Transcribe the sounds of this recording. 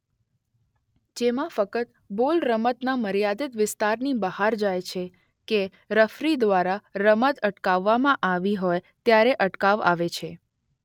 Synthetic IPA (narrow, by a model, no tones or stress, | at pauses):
d͡ʒemãfəkət̪ | bolɾəmət̪naməɾjad̪ɪt̪ʋɪst̪aɾnibəhaɾd͡ʒajt͡ʃʰe | ke | ɾəfɾid̪ʋaɾaɾəmət̪əʈkaʋːamãʔaʋiɦoj | t̪jaɾeʔəʈkaʋa̰ʋet͡ʃʰe